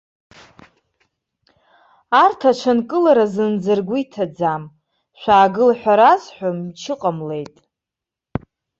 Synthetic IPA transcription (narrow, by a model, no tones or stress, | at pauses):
artʰaʈ͡ʂʷʰankʼɨlaɾazɨnd͡zɨrɡʷijtʰad͡zam | ʃʷᶣaːɡɨlaħʷᶣaɾazħʷᶣamt͡ʃʰɨqʼamle̞jtʼ